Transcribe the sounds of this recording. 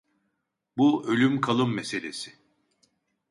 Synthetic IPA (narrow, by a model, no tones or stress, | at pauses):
buø̞lʲymkʰalˠɯmːese̞lʲesɪ̥